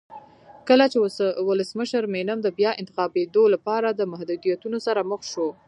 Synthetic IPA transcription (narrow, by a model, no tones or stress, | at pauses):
kəlat͡ʃewʊləsməʃəɾmenamd̪əbjɑɪnt̪ɪ̥xɑbed̪olapɑɾad̪əmahd̪ud̪ijat̪unosaɾaməxʃo